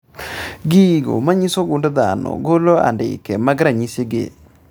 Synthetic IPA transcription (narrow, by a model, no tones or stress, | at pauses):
ɡiɡo̰maɲisoɡʊndd̪a̰nɔ̰ɡoloa̰ndɪ̰kɛmaɡɾaɲiseɡḛ